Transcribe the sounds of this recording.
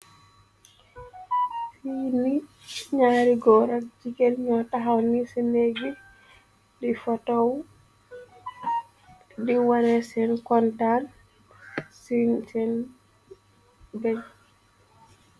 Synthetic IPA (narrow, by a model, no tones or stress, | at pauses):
fini | ɲaɾiɡɔɾak̚d͡ʒiɡelɲɔtaɦawnisinɛɡi | difɔtɔw | diwanɛsɛnkɔntan | sinsɛn | bɛɲ